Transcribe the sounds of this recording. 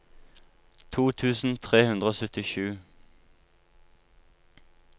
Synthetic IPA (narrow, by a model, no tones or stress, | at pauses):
t̪ʰuːt̪ʰʉːsn̩t̪ʰʁeːhʉnd̪ʁəoːsœt̪ɪʃʉː